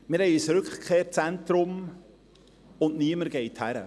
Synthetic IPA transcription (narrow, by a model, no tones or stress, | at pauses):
mɪɾhɛɪysɾɵkχkχeːɾt͡sɛnt̪ɾʊm | ʊnʔniəməɾɡ̥ɛɪthæɾə̰